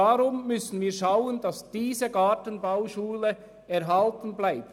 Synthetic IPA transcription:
ɑʁʊmːʏsən̩viːɐʃaʊəndɑsd̥iːzəɡɑːtənbaʊʃuːlə | ɛʁɦɑltn̩blaɪp̚t

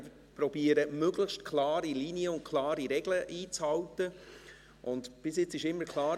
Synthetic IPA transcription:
pɾɔb̥iːəɾəmøɡləxʃtkʰlɑːɾiliniəʊntkʰlɑːɾiɾɛɡləʔiːt͡shɑwtə | ʔʊndb̥ɪsjɪt͡sɪʃɪmːəkʰlɑːɾ

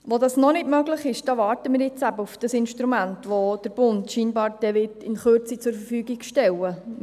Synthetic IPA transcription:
ʋodɑsnɔnɪtmœɡlɪχɪʃd̥ɑʋɑːrtəmɪːɾjɪt͡sæbəufd̥ɑsɪnʃtɾumæntʋod̥əɾb̥ʊndʃiːnbɑːɾd̥ɛʋɪtɪnχøt͡sit͡sʊɾfəɾfyːɡiɡʃtɛwə

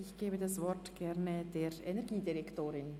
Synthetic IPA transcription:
ɪçɡ̥eːbədasvɔɾtɡ̥ɛɾnəd̥eːɾɛnɛɾɡiːdiɾɛktoːɾɪn

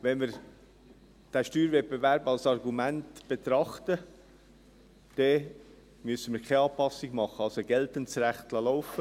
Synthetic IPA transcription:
ʋɛnmɪɾ | d̥æʃtyːɾvɛt̚pbevæɾbɑlsɑrɡumæntb̥et̪ɾɑχtə | d̥ɛ | mʏəsəmɪːɾkʰeɑːpɑsɪɡmɑχəɑlsoɡɛltənt͡sɾæχt̪ləlɔʊfə

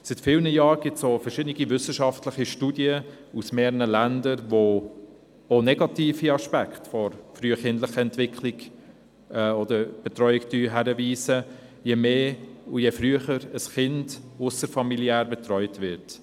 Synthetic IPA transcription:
sitfɪːlnəjɑːɾɡ̥ɪtsofəɾʃɪdniɡivʏsəʃɑftləχiʃtuːdjə | usmeːɾənəlændəɾʋo | onɛɡɑtiːfiɑʃpæktfɔɾfɾyːəχɪndləχəɛntv̥ɪkχliɡ | ɛɔd̪əɾb̥ɛtɾɔʏɪktyːɦæɾəviːsə | jemeːujefɾyəχəɾəsχɪnd̥ʊsəɾfɑmiliæːɾbɛtɾɔʏtvɪɾt

